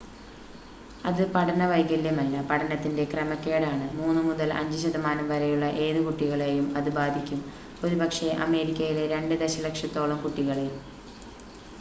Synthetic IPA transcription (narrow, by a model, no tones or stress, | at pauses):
ɐðɨpɐʈʰɐnɐʋɐjkːɐlːemɐlːɐpɐʈʰɐnɐt̪ːinde̞krɐmɐkːe̞ːɽaːɳɨmuːnːɨmuðɐlɐ̰ɲd͡ʑɨɕɐðɐmaːnɐmʋɐɾɐjuɭːɐʔe̞ːðɨkuʈːiɣɐɭejumɐðɨbaːd̪ʱikʲːum | o̞ɾubɐkʂe̞ʔɐme̞ːɾikʲːɐjile̞ɾe̞ɳɖɨd̪eɕɐlekʂɐt̪ːo̞ːɭɐmkuʈːiɣɐɭejum